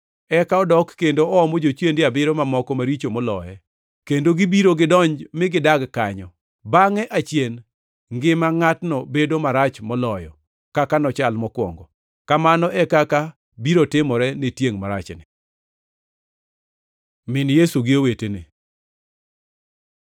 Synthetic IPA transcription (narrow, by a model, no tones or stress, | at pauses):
ɛkaɔdɔkːendoɔɔmɔd͡ʒot͡ʃjendɪabɪɾɔmamɔkɔmaɾit͡ʃomɔlɔ̰jɛ | kendoɡɪbiɾoɡɪdɔɲd͡ʒmɪɡɪdaɡkaɲɔ | baŋɛʔat͡ʃjen | ŋɡɪmaŋatnɔbedomaɾat͡ʃmɔlɔjɔ̰ | kakanɔt͡ʃalmɔkwɔ̰ŋɡɔ | kamanɔʔɛkaka | biɾotɪmɔɾɛnetjeŋmaɾa̰t͡ʃnɪ | mɪnjesuɡɪowetene